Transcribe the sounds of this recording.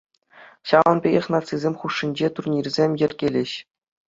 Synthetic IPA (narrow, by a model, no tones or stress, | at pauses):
ɕɑʋɤ̆nbʲeɡʲĕχnɑt͡sizʲemʲχuʂːinʲd͡ʑet̪urnʲirʲzʲemʲjɘ̆rʲɡʲelʲĕɕ